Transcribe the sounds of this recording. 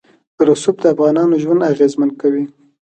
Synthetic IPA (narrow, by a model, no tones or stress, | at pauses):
pəɾʊsubd̪əafɣɑnɑnoʒwand̪aɣezmand̪̚kawi